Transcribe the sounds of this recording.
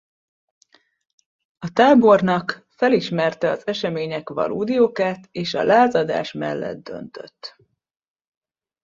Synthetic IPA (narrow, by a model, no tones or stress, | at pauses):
ɒt̪aːbo̞rnɒk | fɛliʃmɛrt̪ɛɒzɛʃɛmeːɲɛkʋɒ̰lʔuːd̪ijoːkaːt̪eːʃɒ̰lʔaːzɒd̪a̰ːʃmɛ̰lːɛ̰d̪̚d̪ø̞̰nt̪ø̞̰t̪ː